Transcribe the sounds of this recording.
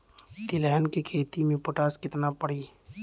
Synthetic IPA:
t̪ɪlɛːnkikʰeːt̪imẽpʊʈaːskɪt̪napəɽ̤iː

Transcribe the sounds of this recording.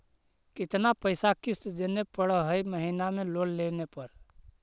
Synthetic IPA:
kit̪napəjsakist̪d͡ʒenepəɽəɦəjməɦinamelollenepəɾ

